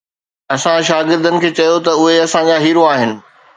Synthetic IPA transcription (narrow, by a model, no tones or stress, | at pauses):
ɐsãʃaːɡɪɾd̪ənɪ̆kʰeːt͡ɕɐjot̪ɐʊɦeɐsãd͡ʑaɦiːɾoaːɦɪnɪ̆